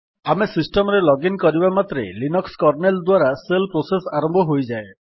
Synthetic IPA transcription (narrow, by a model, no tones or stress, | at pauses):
amesisʈɔmɾelɔɡinkɔɾibamat̪ɾḛlinɔkskɔɾneld̪waɾaselpɾosesaɾɔmbʱɔɦojd͡ʒae